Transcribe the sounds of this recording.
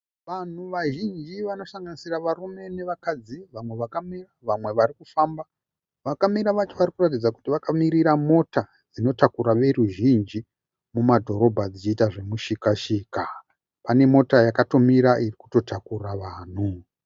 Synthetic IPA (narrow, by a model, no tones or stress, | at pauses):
ʋan̤uʋaʒind͡ʒiʋano̞saŋɡanisiraʋarume̞ne̞ʋakad͡ziʋamwe̞ʋakamiraʋamwe̞ʋarikufaːmba | ʋakamiɾaʋat͡ʃoʋarikurat̬id͡zakutiʋakamiɾiɾamo̞ta | d͡zino̞takuɾaʋe̞ruʒind͡ʒi | mumadʱo̞ɾo̞bʱad͡zit͡ʃiːtaʐe̞muʃikaʃiːka | pane̞mo̞tajakato̞miɾaʔiriku̥to̞tʰakuraʋaːn̤u